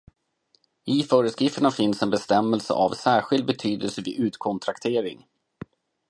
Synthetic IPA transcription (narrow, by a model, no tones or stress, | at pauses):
ɪfœːɾəskɾɪft̪əɳafɪnsɛnbɛst̪ɛmːɛlsə̰ʔa̰vsæːɾɧɪld̪̚bɛt̪ʰyːd̪əlsəvɪʔʉ̟ːt̪kʰɔnt̪ʰɾakt̪ʰeːɾɪ̰ŋ